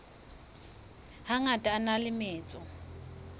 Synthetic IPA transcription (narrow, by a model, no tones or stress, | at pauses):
haŋatʼaːnalɪmɛːt͡sʼɔ